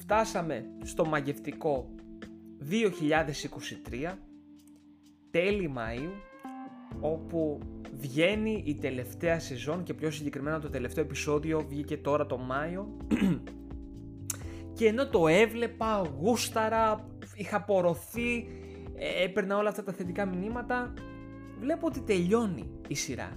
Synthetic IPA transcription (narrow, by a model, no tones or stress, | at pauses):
ft̪ɐsɐme̞st̪o̞mɐʝe̞ft̪iko̞ | ðio̞çiʎɐðe̞siko̞sit̪ɾiɐ | t̪e̞limɐ̰i | o̞puvʝe̞niʔit̪e̞le̞ft̪e̞ɐse̞zo̞ŋce̞pço̞s̬iɲɟe̞kɾime̞nɐt̪ot̪e̞le̞ft̪eoepiso̞ðio̞vʝice̞t̪o̞ɾɐt̪o̞mɐio̞ | ceːno̞t̪o̞e̞vle̞pɐɣust̪ɐɾɐ | ixɐpo̞ɾo̞θi | epe̞ɾnɐo̞lɐft̪ɐt̪ɐθe̞t̪ikɐminimɐt̪ɐ | vle̞puot̪it̪e̞ʎo̞nḭːsiɾɐ̰